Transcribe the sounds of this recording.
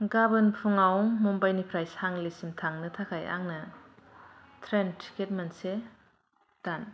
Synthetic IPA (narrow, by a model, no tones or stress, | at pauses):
ɡabɯnpʰuŋawŋmɔmbajnipʰɾajshaŋlisimtʰaŋnɯtʰakʰaja̰ŋnɐ | tʰɾentʰi̥ket̚manse | d̥an